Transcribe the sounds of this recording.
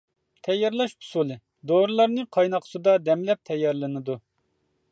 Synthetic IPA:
t̪ʰɛjːɑɾlˠɑʃbʰu̥sulˠɨ | d̪oɾɨlˠɑɾnɨqʰɑjnɑqʰsɨd̪ɑd̪ɛmlɛp̚t̪ʰɛjːɑɾlˠɨnɨd̪u

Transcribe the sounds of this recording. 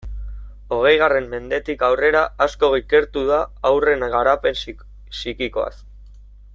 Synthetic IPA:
o̞ɣ̞e̞jɣ̞are̞mme̞nd̪e̞t̪ikawre̞ɾaasko̞ɣike̞ɾt̪uðaːwre̞nɣaɾape̞n | sikiko̞a̰s

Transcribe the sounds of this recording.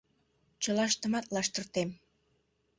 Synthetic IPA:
t͡ɕəlɑʃt̪ə̆mɑt̪lɑʃt̪ərt̪em

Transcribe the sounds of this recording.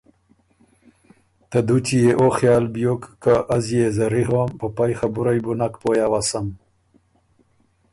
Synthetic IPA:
t̪ɐd̪ut̪ijeʔoxjɑːlbijokːaʔazjezɐɾiɦwampəpajxɐbuɾajbunakpoːjawasɐm

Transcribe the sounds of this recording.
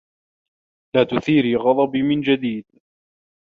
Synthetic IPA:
laːt̪ʊθiːɾiːɣɑd̪ˤɑbimɪnd͡ʒad̪iːd̪

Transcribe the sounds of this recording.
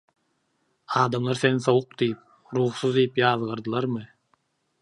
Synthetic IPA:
ɑːd̪ɑmlˠɑɾsenisawuq̚d̪ijip̚ | ɾuχsuzd̪ijipjɑːzʁɑɾd̪ɯlˠɑɾmɨ

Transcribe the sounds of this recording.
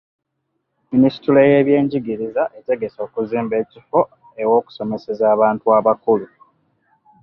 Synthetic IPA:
minisi̥tile̞je̞ːβje̞ːɲɟiɡiɾizaʔe̞te̞ɡe̞so̞ːkuziːmbe̞ːcifo̞ | ewo̞ːku̥so̞me̞se̞zaːβaːntuaːβakulu

